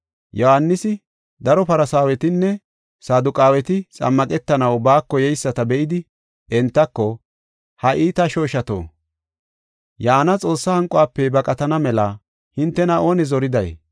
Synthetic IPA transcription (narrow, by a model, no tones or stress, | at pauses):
jɔhanːɪsɪ | d̪ɐɾɔpɐɾɐsaːwɛt̪ɪnːɛ | saːd̪ʊkʼaːwɛt̪ɪt͡sʼɐ̰mːɐkʼɛt̪ːɐnɐwbaːkːɔjɛjsːɐt̪ɐbɛʔɪd̪ɪ | ɛnt̪ːɐkːɔ | hɐʔiːt̪ɐʃo̞ːʃɐt̪o̰ː | jaːnɐt͡sʼo̞ːsːɐhɐŋkʼɔaːpːɛbɐkʼɐt̪ɐnɐmɛlɐ | hɪnt̪ːɛnɐʔo̞ːnɛzɔɾɪd̪ɐj